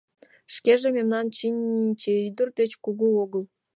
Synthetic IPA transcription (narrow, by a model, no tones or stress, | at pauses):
ʃkeʒememnɑnt͡ɕinʲːit͡ɕeid̪ərd̪et͡ɕkuɣuoɣəl